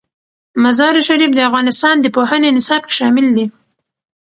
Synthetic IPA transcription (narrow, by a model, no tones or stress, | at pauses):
mazɑɾiʃaɾifd̪əafɣɑnɪst̪ɑnd̪əpohənenɪsɑb̚ke̥ʃɑmɪld̪i